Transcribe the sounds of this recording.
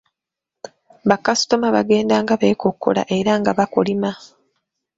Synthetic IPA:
βakasu̥to̞maβaɡe̞ːndaːŋɡaβekokːo̰la̰ʔe̞ɾaŋɡaβakolima

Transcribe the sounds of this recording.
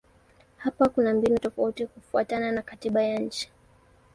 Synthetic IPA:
hapakunambinutɔfautikufua̰tananakatiɓajaɲ̩t͡ʃi̥

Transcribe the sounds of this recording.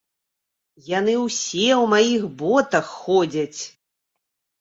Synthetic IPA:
jan̪ɨwsʲɛwmajixbɔt̪ɐxːɔd͡zʲɐt͡sʲ

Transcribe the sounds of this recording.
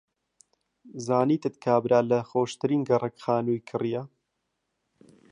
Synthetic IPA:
zaːniːt̪ɨt̪kʰaːbɾaːlɐxoːʃt̪ɨɾiːnɡɐrɐkxaːnuːjkʰɨrija

